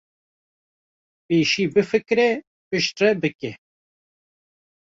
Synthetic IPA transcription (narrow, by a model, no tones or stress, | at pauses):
peːʃiːbɨfɨkɾɛ | pɨʃt̪rɛbɨkɛ